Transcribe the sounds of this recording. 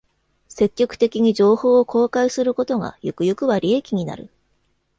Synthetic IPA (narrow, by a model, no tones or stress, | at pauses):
se̞kʲːo̞kɯ̟̥t̪e̞kʲiɲ̟iʑo̞ːho̞ːkʰo̞ːkaisɨɾɯ̟ko̞t̪o̞ŋa̰jo̞kɯ̟jokɯ̟βaɾʲiekʲiɲ̟ina̰ɾɯ̟